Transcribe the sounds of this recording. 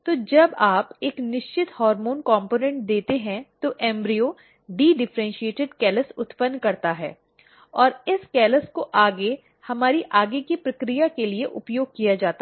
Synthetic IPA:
t̪oːd͡ʒɐbaːpeːknɪʃt͡ʃɪt̪hɔːɾmoːnkɔ̃ːmpoːnɛ̃ɳʈ̚d̪eːt̪eɦɛ̃t̪oʔɛ̃ːmbɾijoː | ɖiːɖɪfɾɛ̃nʃieːʈɪɖkɛːləsʊt̪pə̃nːkɐɾt̪aɦɛ̰ː | ɔːɾɪskɛːləskoʔaːɡe | hɐmaːɾiʔaːɡekipɾɐkɾijakelieʔʊpjoːɡ̚kijad͡ʒaːt̪a

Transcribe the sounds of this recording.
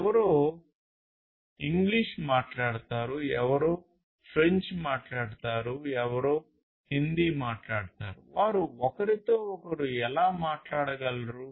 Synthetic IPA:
ɛʋɐɾoː | iŋɡliʂmaːʈlaːɽt̪aːɾuɛʋɐɾoː | pʰɾeɲt͡ʃmaːʈlaːɽt̪aːɾuɛʋɐɾoː | hind̪imaːʈlaːɽt̪a̰ːɾṵʋaːɾuɔkɐɾit̪oːɔkɐɾuɛlaːmaːʈlaːɽɐɡɐlɾu

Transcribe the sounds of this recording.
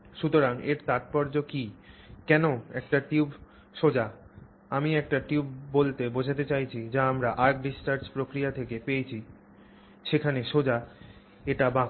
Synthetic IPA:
ʃut̪oɾaŋeɾt̪at̪̚pɔɾd͡ʑokikɛnoɛk̚ʈaʈiub | ʃod͡ʑa | amiɛk̚ʈaʈiubːolt̪ebod͡ʑʱat̪et͡ɕajt͡ɕʰid͡ʑaamɾaʔaɾk̚ɖisʈaɾspɾokɾijat̪ʰekepeet͡ɕʰi | ʃekʰaneʃod͡ʑa | eʈabã

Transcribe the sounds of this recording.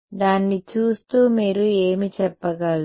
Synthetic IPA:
d̪aːnːit͡ʃuːst̪uːmiːɾue̞ːmit͡ʃɛpːɐɡɐl

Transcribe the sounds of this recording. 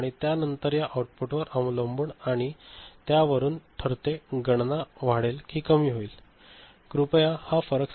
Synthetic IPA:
ɽ̃it̪janənt̪əɾjaʔawʈ̚puʈʋəɾəmləmbuːɳaɽ̃it̪jaʋəɾuːnʈ̪ʰəɾt̪eɡəɳnaʋ̤aɽelkiːkəmiːɦoiːl | kɾupjahafəɾəks

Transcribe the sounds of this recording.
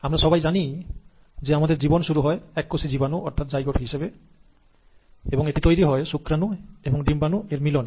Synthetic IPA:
amɾaʃɔbajd͡ʑani | d͡ʑeamad̪eɾd͡ʑibonʃuɾuɦɔeɛkːosid͡ʑibanuɔɾt̪ʰat̪̚d͡ʑajɡɔʈɦiʃebe | eboŋeʈit̪ojɾiɦɔeʃukɾanueboŋɖimbanueɾmilɔn

